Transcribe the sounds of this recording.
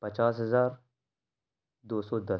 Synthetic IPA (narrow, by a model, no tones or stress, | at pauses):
pɐt͡ʃaːsɦɐzaːɾ | d̪oːsɔːd̪ɐ